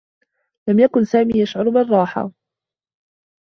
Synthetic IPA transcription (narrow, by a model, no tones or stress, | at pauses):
lamjakʊnsaːmiːjaʃʕʊɾbɪrˤːɑːħa̰